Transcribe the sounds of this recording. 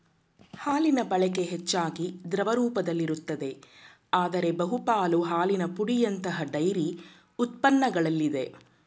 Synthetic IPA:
haːlinɐbɐɭɛke̞ɦɛt͡ʃːaːɡid̪ɾɐʋɐɾuːpɐd̪ɐlːiɾut̪ːɐd̪e̞ | aːd̪ɐɾe̞bɐɦupaːluɦaːlinɐpuɽijɐnt̪ɐɦɐɖɐjɾi | ut̪̚pɐnːɐɡɐɭɐlːid̪e̞

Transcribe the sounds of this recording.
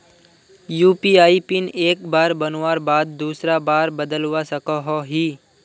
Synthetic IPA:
juːpiaːipɪneːk̚baːɾbɐnwaːɾbaːd̪̚ːuːsɾabaːɾbɐd̪əlwasɐkaɦoɦiː

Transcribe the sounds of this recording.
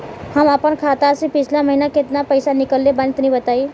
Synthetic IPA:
həməpənkʰat̪asepɪt͡ʃʰlaməɦinaket̪napəjsanɪkəlːebənt̪nəɦĩbət̪ai

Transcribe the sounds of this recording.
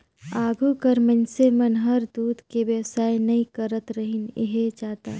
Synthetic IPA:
aːɡʱukəɾmənsemɐnɦɐɾd̪uːd̪ʱkeʋjəwsaːenɐɦĩkəɾət̪ɾəɦinḛɦet͡ʃaːt̪a̰ː

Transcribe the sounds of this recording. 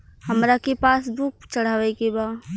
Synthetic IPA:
həmɾakepaːsbuk̚t͡ʃəɽ̤aːʋɛkeba

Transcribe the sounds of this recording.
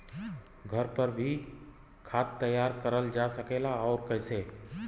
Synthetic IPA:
ɡʱəɾpəɾbʱi | kʰaːt̪ːəjːaːɾkəɾəld͡ʒasəkelaɔːɾkəɪse

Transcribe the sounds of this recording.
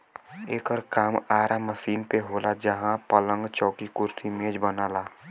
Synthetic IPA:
eːkəɾkaːmaːɾaməsiːnpeɦoːlad͡ʒəɦãpələ̃ŋɡt͡ʃɔːkikʊɾt̪ʰimẽːd͡ʒbənaːlaː

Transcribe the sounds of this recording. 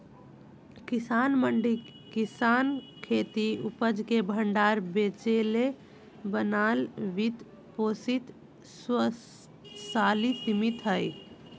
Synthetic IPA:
kisanməɳɖikisan | kʰet̪iupəd͡ʒkebʱəɳɖaɾbet͡ʃele | bənalʋit̪ | posit̪ | sə | salisimit̪ɦəj

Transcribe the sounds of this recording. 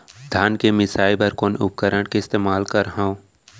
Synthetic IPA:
d̪ʱaːnkemɪsaːjbɐɾkoːnʊ̰p̚kəɾəɽkeɪst̪eːmaːlkɐɾɦãõ

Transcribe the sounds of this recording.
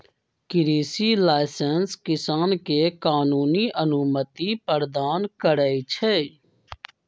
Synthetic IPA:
kɪɾiːsiːlaːɪsənskɪsaːnkeːkaːnuːniːʔənumət̪iːpəɾd̪aːnkəɾəit͡ʃʰeː

